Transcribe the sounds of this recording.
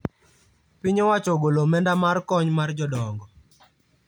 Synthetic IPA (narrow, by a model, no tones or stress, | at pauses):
pɪɲɔwat͡ʃɔɡolomɛndamarkɔɲmard͡ʒɔdɔŋɡɔ